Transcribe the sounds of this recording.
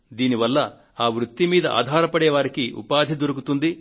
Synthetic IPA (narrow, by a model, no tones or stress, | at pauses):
d̪iːniʋɐlːɐ | aːʋɾut̪ːimiːd̪ɐʔa̰ːd̪ʱaːɾɐpɐɽɛːʋaːɾikiṵpaːd̪ʱid̪oɾukut̪und̪i